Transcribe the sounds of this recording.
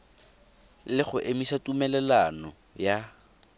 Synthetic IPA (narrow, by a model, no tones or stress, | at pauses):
lɪχʊʔemisatumɛlɛlanɔ | ja